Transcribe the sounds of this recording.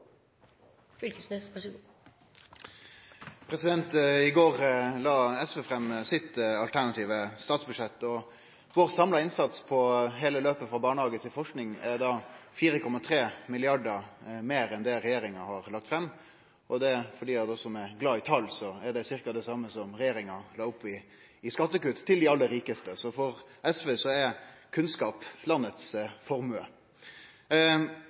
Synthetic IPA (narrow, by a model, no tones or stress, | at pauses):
flkəse | pʰɾɛsɪd̪ɛnt̪ɪɡoːɾlɑːɛsʋɛfɾɛmsɪt̪ɑlt̪ʰæɾnɑt̪ʰiːʋəst̪ɑːt̪sbʉʂɛt̪ːɔ | ʋoːɾsɑmlɑɪnsɑt̪spʰɔɦeːləløːpəfɾɑbɑːɳəhɑːɡət̪ʰɪlfɔʂknɪŋɛɾd̪ɑːfiːɾəkʰɔmːɑt̪ʰɾeːmɪlɪɑɖəmeːɾɛnd̪ɛɾɛjeːɾɪŋɑhɑɾlɑkt̪fɾɛmː | ʔɔd̪ɛfɔɖiːɑt̪ɔsɔmɛɡlɑːɪt̪ʰɑlːsɔæɖɛsɪɾkɑd̪ɛsɑmːəsɔmɾɛjeːɾɪŋɑlɑːʊpːɪː | skɑt̪ːəkʉt̪t̪ʰːɪld̪ɪɑlːəɾiːkəst̪əsɔfɔɾɛsʋeːsɔɛɾkʰʉnskɑːplɑnːət̪sfɔɾmʉə̰